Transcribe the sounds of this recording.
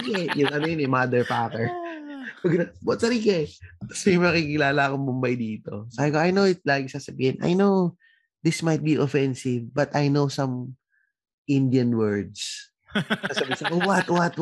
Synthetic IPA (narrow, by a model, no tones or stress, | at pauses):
kɛjʊŋʔɐnojonɛmad̪ɛɹpaːkɛɹkɐɡɪnawɐt̪sɐɾikɛɐsɛjmmɐkikɪlaːlɐɐkoŋbʊmbajd̪iːt̪o̞̰saːbɪkoɐjnowɪt̪̚laːɡɪsaːsɐbiːhɪnʔa̰jnow | ðɪsmɐjt̪̚biʔofɛnsɪvbɐt̪ɐjnowsɐ̃m | ʔɪ̃nd̪jɐnwɛɹd̪s | asɐbisaowɐt̪wɐt̪